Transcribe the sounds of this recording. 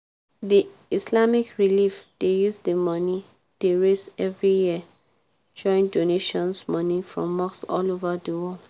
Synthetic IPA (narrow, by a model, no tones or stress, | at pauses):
diislamikɹilifd̥ejuzdəmɔni | d̥eɹesɛvɹijiə | d͡ʒɔ̃ɪ̃ndoneʃɔ̃nsmɔnifɹɔ̰̃mːɔksɔ̰lovadəwɔl